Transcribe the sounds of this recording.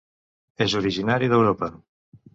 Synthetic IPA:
ezuɾiʒinaɾiðewɾopɐ

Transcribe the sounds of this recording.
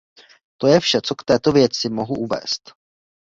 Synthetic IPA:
t̪o̞jɛfʃɛt͡so̞kt̪ɛːt̪o̞vjɛt͡sɪmo̞ɦuʔuvɛ̰ːst̪

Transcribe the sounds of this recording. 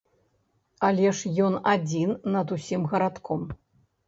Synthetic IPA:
alʲɛʂjɔnad͡zʲinːɐd̪usʲimɣɐɾat̪kʰɔm

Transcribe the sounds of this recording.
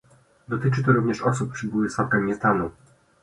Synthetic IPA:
d̪ɔt̪ɘt͡ʂɘt̪ɔɾuvɲɛʂɔsuppːʂɘbuwɘsfafɡaɲʲist̪anu

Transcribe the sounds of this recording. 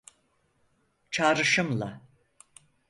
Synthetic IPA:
t͡ʃʰaːɾɯʃɯmlˠa̰

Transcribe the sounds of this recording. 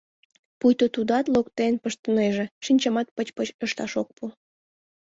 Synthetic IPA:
pujt̪ot̪ud̪ɑt̪lokt̪enpəʃt̪əneʒĕʃinʲt͡ɕəmɑt̪̚pət͡ɕpət͡ɕøʃt̪ɑʃok̚pʰu

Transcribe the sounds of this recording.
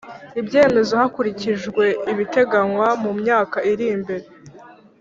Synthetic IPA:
ibje̞ːme̞zo̞hakuɾiciʒɡwe̞iβite̞ɡaŋwamumɲaːkaʔiɾimbe̞ɾe

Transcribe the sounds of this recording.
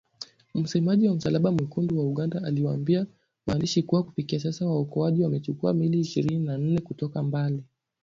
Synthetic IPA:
m̩sɛmaʄiwam̩salaɓamwikundiwauɠandaaliwaːmbia | wa̰ːndiʃikuwaku̥fikias̬asawaɔkɔaʄiwamɛt͡ʃukua̰miliːʃiɾininan̩nɛkutɔkambali

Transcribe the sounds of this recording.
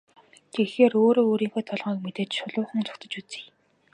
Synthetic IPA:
t̪ʰexeːroːɾoːɾiːŋxeːt̪ʰɔɮʁiːk̚met̪eːt͡ɕʃʊɮʊːχə̆nt͡sʰʊ̥kt̪ʰə̆t͡ɕut͡sĭ̥j

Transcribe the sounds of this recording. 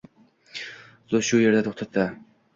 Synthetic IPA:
zoʃʊje̞ɾd̪at̪ʰoχt̪ʰat̪ʰːɪ

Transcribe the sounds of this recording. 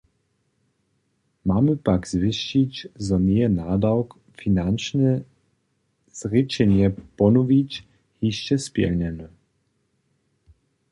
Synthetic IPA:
maːmupaɡz̥vɪʃt͡ʃit͡ɕzɔnɛɛnaːd̪awk | finant͡ʃnɛ | z̥ʁit͡ʃɛɲɛpɔnuvit͡ɕ | hiʃt͡ʃɛspjɛ̰lɲɛnu

